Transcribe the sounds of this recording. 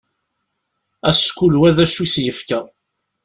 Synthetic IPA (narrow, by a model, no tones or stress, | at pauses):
æskulwæðæʃisjəfkæ